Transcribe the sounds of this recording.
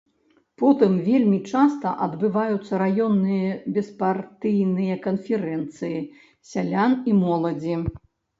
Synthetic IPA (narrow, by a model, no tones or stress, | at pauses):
pɔt̪ɨmvʲelʲmʲit͡ʂast̪ɐʔɐd̪bɨvajut̪sːɐɾajɔnːɨjɐbʲɛspart̪ɨjnɨjɐkɐnfʲɛɾɛnt̪sɨji | sʲalʲanimɔlˠɐd͡zʲi